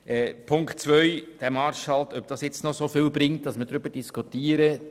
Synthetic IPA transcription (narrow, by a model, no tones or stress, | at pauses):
ɛpʰʊŋktt͡sʋœʏd̥æmɑːɾʃhɑlt̪œp̚d̥ɑsjɛt͡stnɔsofɪːlbɾɪŋt̚d̥ɑsmədɾʏb̥əɾd̥iskʰutiːəɾə